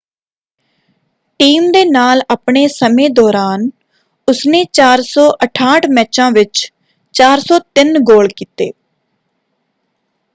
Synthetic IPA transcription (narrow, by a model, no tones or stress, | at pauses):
ʈiːmd̪eːnaːlaːpɳeːsəmẽːd̪ɔːɾaːn | ʊsneːt͡ʃaːɾsɔːʔəʈʰaːʈʰmɛːt͡ʃãːʋɪt͡ʃ | t͡ʃaːɾsɔːt̪ɪnɡoːlkiːt̪ḛː